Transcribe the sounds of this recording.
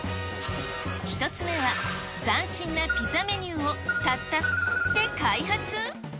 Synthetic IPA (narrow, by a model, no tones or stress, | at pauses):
çi̥t̪o̞t͡sɨme̞βa | d͡zãɰ̃ɕĩnːapʲizame̞ɲʲɯːo̞t̪at̪ːat̪ːe̞kaiɦat͡sɨ